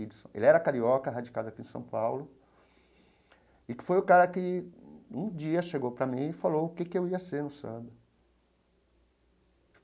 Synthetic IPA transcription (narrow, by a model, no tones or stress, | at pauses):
idɪsõ̰ʔḛlɪɛɾɐkaɾiɔkɐɦad͡ʒikad̪ʊakĩẽsɐ̰̃w̃pawlʊ | ɪkɪ̥fojʊkaɾɐkɪ | ũd͡ʒiɐʃeɡowpɾɐmĩɪfalowʊkekɪewiɐseɾnʊsɐ̰̃d̪ɐ